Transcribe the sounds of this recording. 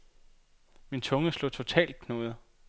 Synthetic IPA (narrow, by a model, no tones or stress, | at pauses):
mint͡sʰɔ̽ŋəslo̰ːt͡sʰo̝t͡sʰɛ̰ːld̥̚kʰno̝̰ðˠ